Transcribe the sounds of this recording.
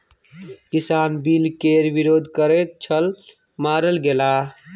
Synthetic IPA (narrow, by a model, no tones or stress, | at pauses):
kisaːnbilkeɾʋiɾoːd̪ʱkəɾɛt̪̚t͡ʃʰəl | maːɾəlɡela